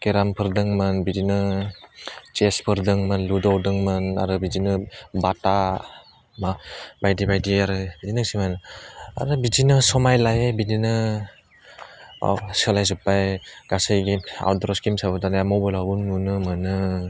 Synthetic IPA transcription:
keɾampʰɯɾdɯŋmɯnbidinɯ | t͡ʃespʰɯɾdɯŋmɯnludɔwdɯŋmɯna̰ɾɯbizinɯbata | mabajdibajdiaɾɯbidinɯsimana̰ɾɯbid͡ʒinɯsɔmajlajebidinɯ | sɯlajzupajɡ̥asɯjɡia̰wdɾɔskimsabɯdanjamɔbɯlabunːunɯmɯnɯ

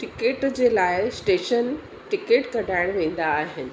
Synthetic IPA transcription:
ʈikeʈd͡ʑelaɪsʈeʃən | ʈikeʈkəɖʱaɪɽʋẽnd̪aːɦen

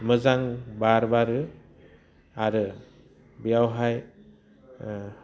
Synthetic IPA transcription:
mɯzaŋbaɾbaɾɯ | aɾɯ | bijawɦaj

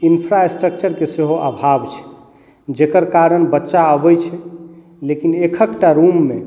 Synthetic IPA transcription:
inpʰɾaesʈɾək̚t͡ʃəɾkeseɦoʔabʱabt͡ʃʰɛ̥ | d͡ʒekəɾkaɾənbətːʃaəbəjt͡ʃʰɛ | lekinekʰəkʈaɾumːe

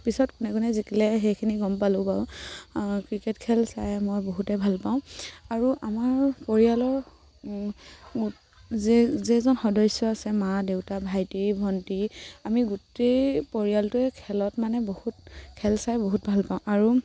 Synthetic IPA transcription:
pisɔtkunɛkɔnɛzikilɛɦejkʰiniɡɔmpalʊ̃paʊ̃ | kɹiketkʰɛlsajmojboɦutɛbʱalpaʊ̃aɹuʔamaɹpɔɹijalɔɹ | zɛzɛzɔnxɔdɔjsɔasɛmadeʊtabʱajtibʱɔntiamiɡutejpɔɹijaltʊɛkʰɛlɔtmanɛbohutkʰɛlsajboɦut̚bʱalpaʊ̃ʔaɹu

